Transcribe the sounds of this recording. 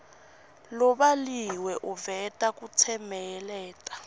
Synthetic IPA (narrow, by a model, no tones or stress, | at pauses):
lɔɓaliwɛʔuvɛtʼakʼut͡sʰɛmɛjɛlɛːtʼḁ